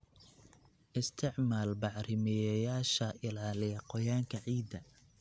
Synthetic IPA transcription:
ʔɪst̪ʰɪʕmaːlbɑʕrɪmɛjɐjaːʃɐʔɪlaːlɪjɐqɔjaːŋkʰɐʕiːd̪ɐ

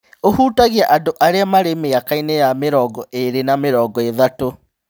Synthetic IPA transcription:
ohuːtaɣiaʔadoʔaɾeamaɾemeakainejameɾɔːɡɔʔeɾenameɾɔːɡɔeðato

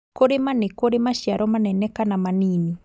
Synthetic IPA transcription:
koɾemanekoɾemaʃiaɾɔmanɛnɛkanamaniːni

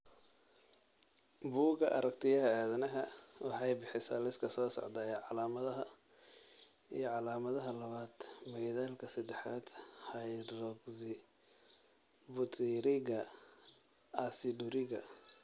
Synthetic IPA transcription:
buːɡɐʔɐ̰ɾɐkt̪ʰɪjɐɦɐaːðɐnɐɦɐwɑħɑjbɪħɪsa̰ːlɪskʰɐsɔːsɔ̰ʕd̪aːjɛʕɑlaːmɐðɐɦɐ | ḭjɞʕɑlaːmɐðɐɦɐlɐβaːd̪̥mɛjðaːlkʰɐsɐd̪ɛħaːd̪̥hɐjɾɔɡsɪ | bʊt̪ʰɪɾɪɣɐ | ɐsɪɖʊɾɪɣɐ̰

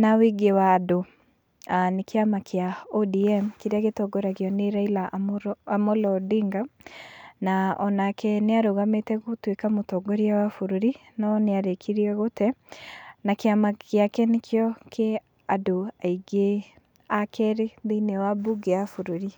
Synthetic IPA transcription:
nawiɡewado | anekeamakʰeaɔdiɛmkeɾeaɣetɔɡɔɾaɣeɔneɾailaʔoamɔlɔdiŋɡa | naɔnakʰɛneaɾoɣametɛɣotwekamotɔɡɔɾiawafoɾoɾi | nɔneaɾekʰiɾiɛɣotɛ | nakeamakjakɛnekʰejɔkʰe | adoaiɡe | akʰɛɾeðeinewabuɡeafoɾoɾi

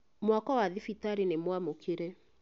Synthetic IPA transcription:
mwakɔwaðifitaɾinemwamokʰeɾe

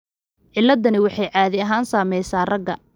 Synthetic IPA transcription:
ʕɪlːɐd̪ɐnɪwɑħɑjʕɑːðɪɐɦaːnsaːmɛjsaːrɐɡɐ̰

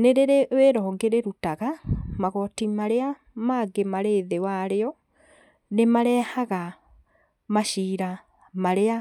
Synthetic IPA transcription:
neɾeɾeweɾɔːŋɡeɾeɾutaɣamaɣɔtimaɾea | maːɡemaɾeːðewaɾeɔ | nemaɾɛhaɣa | maʃiːɾa | maɾea

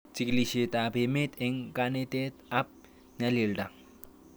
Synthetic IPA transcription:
t͡sikliɕet̪abemet̪ʰeŋkanet̪et̪ap̚ | nalelɖaŋ

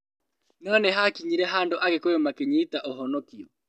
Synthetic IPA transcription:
nɔnɛɦakiɲiɾɛɦandoʔaɣekojomakeɲeitaʔoɦɔnɔkiɔ

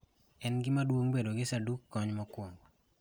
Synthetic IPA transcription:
ɛnɡɪmadwoŋbedoɡɪsadukːɔɲmɔkwoŋ

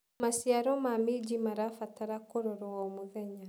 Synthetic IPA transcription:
masiaɾɔmamid͡ʒimaɾafataɾakoɾoɾɔɔmoðɛɲa

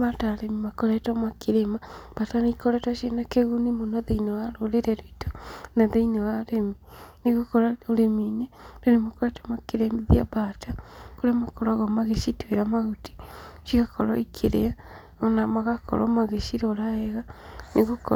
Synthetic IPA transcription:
βataɾemimakoɾetomakiɾemab̥atanikoɾetaʃenakeɣunimunoðeinewaɾoleɾeɾoito̥naðeinewaɾeminiɣukoɾaoɾeminedonemakoɾetomakiɾemiðia̰βatakuɾemakoɾaɣomaɣeʃitweɾamaɣuti̥ʃiɣakʰoɾoikʰeɾḛa | onamaɣakʰo̰ɾɔ̰maɣeʃiɾoɾaeɣaniɣuko

